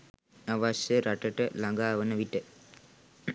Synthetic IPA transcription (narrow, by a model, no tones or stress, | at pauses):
aʋasjəɾaʈəʈəlaŋɡaːʋənəʋiʈə